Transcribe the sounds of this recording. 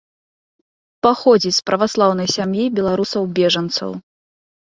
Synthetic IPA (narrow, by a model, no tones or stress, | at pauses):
paxɔd͡zʲispɾʔɐvaslˠawnɐjsʲamjibʲɛlˠaɾusɐwbʲɛʐɐnt̪sɐ̰w